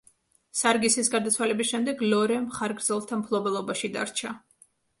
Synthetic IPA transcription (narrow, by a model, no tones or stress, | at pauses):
saɾɡisisɡaɾd̪at̪sʰwalɛbisʃɛmd̪ɛɡlɔɾɛmχaɾɡɾd̪zɛlˠt̪ʰampʰlˠɔbɛlˠɔbaʃid̪a̰ɾt͡ʃʰa